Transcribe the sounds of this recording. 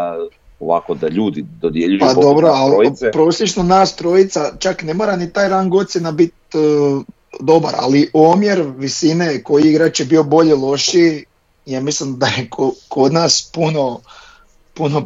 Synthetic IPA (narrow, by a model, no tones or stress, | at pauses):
oʋa̰kod̪aʎuːd̪id̪od̪jeʎujpad̪o̞bɾoalipɾo̞ːslet͡ʃnonaːst̪ɾo̞jit̪sat͡ʃakne̞moɾanit̪aːjɾaŋɡo̞t̪sjenabit̪̚ | d̪o̞ba̰ɾa̰liʔomjeɾʋisineko̞jiiɡɾat͡ʃjebio̞bo̞ʎelˠo̞ʃi | jamislimd̪ajekʰoko̞d̪naːspuno̞ | puno̞